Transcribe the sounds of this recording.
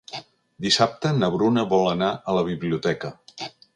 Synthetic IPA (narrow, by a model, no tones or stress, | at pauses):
d̪isap̚t̪ənəβɾunəβɔlˠənaələβ̞iβliut̪ɛkə